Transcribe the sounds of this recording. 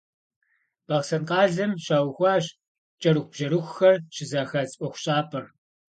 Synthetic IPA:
b̥ɐʁsɐnqɑːɮɐmɕaːwxʷɑːɕ | t͡ʃʼɐɾɨxʷb̥ʒɐɾɨxʷxɐrʃɪzaːxɐt͡sʼʔʷɔxʷɕʼaːpʰɐr

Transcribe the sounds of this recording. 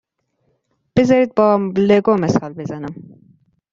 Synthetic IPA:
b̥ɪzɐɾit̪̚bɔmleɡomɪsɑːlbɪzɐnəm

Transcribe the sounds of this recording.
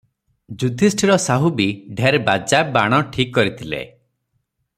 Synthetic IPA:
d͡ʒud̪ʱisʈʰiɾɔsaɦubiɖʱeɾbad͡ʒabaɽ̃ɔʈʰikːɔɾit̪ʰilḛ

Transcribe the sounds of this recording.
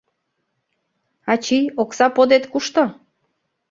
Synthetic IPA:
ɑt͡ɕijoksɑpod̪et̪kuʃt̪o

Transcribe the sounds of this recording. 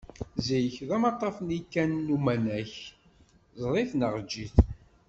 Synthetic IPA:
zijəçðæmɑt̪ˤːɑfnikːænːumænæç | zˤɾˤiθnəʁd͡ʒːiθ

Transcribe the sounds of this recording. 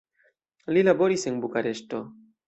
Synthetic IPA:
lilabo̞ɾise̞nbukaɾe̞ʃto̞

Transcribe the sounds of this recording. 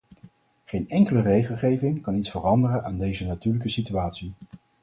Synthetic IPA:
χejnɛŋkələrejχəlˠχejvɪŋkɑnitsfərɑndərənʔaːndejzənatyːɹləkəsityaːtsi

